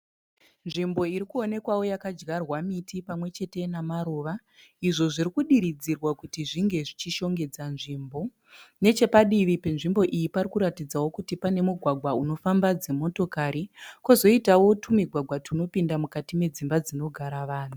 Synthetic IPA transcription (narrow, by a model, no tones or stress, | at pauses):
nʐimbo̞iɾikuone̞kwawo̞jakad͡ʒɡarwamitipamwe̞t͡ʃe̞te̞namaɾoːʋa | iʐo̞ʐiɾikuɗiɾid͡zirwakutiʐiŋɡe̞ʐit͡ʃiʃo̞ŋɡe̞d͡zanʐimbo̞ | ne̞t͡ʃe̞paɗiʋipe̞nʐimbo̞ʔijipaɾikuɾatid͡zawo̞kutipane̞muɡʱwaɡʱwauno̞fambad͡ze̞mo̞to̞kaɾikozo̞itawo̞tʰumiɡʱwaɡʱwatʰuno̞pindamukatime̞d͡zimbad͡zino̞ɡʱaɾaʋaːn̤u